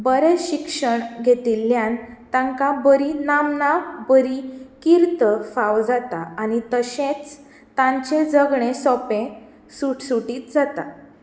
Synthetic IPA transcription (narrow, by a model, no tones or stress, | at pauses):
bəɾeɕikʂəɳɡʱet̪iːlːjãn | t̪ãŋkabəɾinamnabəɾikiɾt̪əfaʋd͡zat̪aañit̪əɕẽt͡s | t̪ãɲt͡ɕẽd͡zəɡɳesɔpẽ | suʈsuʈiːt̪̚d͡zat̪a̰